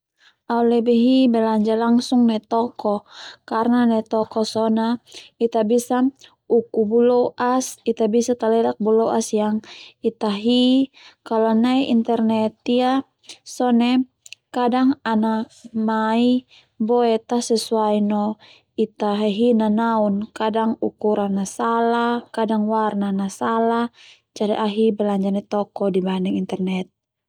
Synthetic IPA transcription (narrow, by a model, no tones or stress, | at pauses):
aulɛbɛɦibɛlaɲd͡ʒalaŋsuŋnɛt̪ɔkɔkarnanɛt̪ɔkɔsɔnait̪abisa | ukubulɔʔasit̪abisat̪alɛlak̚bulɔʔasjaŋit̪aɦikalɔnaiʔḭnt̪ɛrnɛt̪ia | sɔnɛ | kadaŋana | mai | bɔɛt̪asɛsuainɔ | it̪aɦeɦinanaunkadaŋukuɾanːasalahkadaŋwarnanasalah | d͡ʒaɾiʔaɦibɛlaɲd͡ʒarnɛt̪ɔkɔdibandɛŋint̪ɛrnɛt̪̚